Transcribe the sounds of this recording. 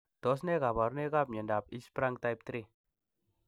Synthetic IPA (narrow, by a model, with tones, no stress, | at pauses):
d̪̥ɔ˨˦s̬ne˦ka˨ba˨ɾne˦ka˦p̚ɲə˨nda˨p̚i˦spɾa˦ŋɡt̪a˦jp̚t̪ɾi˦˨